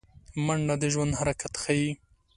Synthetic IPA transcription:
maɳɖad̪əʒwand̪haɾakat̪xaji

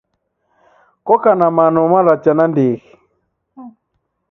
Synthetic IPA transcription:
kɔkanamanɔmaɾat͡ʃanandiɣi

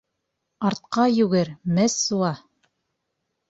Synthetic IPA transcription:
ɑɾt̪̚qɑjʉɡɘɾmɘsːuɑ

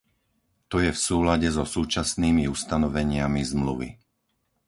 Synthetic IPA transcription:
t̪ɔjɛfsuːlaɟɛzɔsuːt͡ʃasniːmiust̪anɔʋɛɲɪamizmluʋḭ

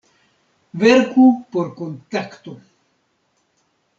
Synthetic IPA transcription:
βeɾkupoɾkont̪akt̪o

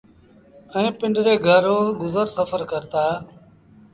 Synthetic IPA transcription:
ɛ̃ːpɪ̃ɳɖɾeːɡʱəɾoːɡʊzəɾsəfəɾkəɾt̪aː

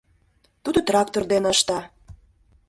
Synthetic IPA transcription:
t̪ud̪ot̪rɑkt̪ord̪enɑʃt̪ɑ

